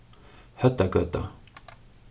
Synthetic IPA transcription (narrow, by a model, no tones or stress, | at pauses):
hœt̪ːaɡœt̪ːa̰